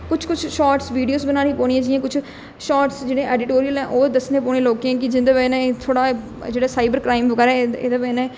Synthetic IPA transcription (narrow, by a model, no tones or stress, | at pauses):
kʊt͡ʃʰkʊt͡ʃʰʃɔːʈsʋiːɖioːsbənaːɽĩːpɔːɽiẽːd͡ʒɪãːkʊt͡ʃʰ | ʃɔːʈsd͡ʒɪːɽẽːɛːɖɪʈoːɾijəlɛ̃ːʔoːd̪əsnẽːpɔ̃ːeːloːkãːk̬ɪd͡ʒɪnd̪aːbɛːnẽːt̪ʰoːɽaː | d͡ʒeːɽaːsaːɪbəɾkɾaːɪmʋəɡɛːɾɛːḛːd̪aːbɛ̃ːnɛ̃ː